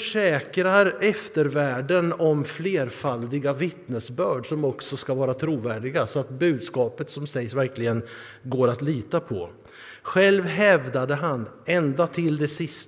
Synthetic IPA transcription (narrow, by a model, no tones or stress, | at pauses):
ʂɛːkɾaɾɛft̪əɾvæːɖənɔmfleːɾfald̪ɪɡavɪt̪nəsbœːɖʂɔmɔksɔskavɑːɾat̪ʰɾuːvæːɖɪɡasɔat̪bʉ̟ːd̪skɑːpət̪sɔmsɛjsvæɾklɪɡən | ɡoːɾat̪liːt̪apʰɔ̰ | ɧɛlvɦɛvd̪ad̪əɦanɛnd̪at̪ʰɪld̪ɛsɪst̪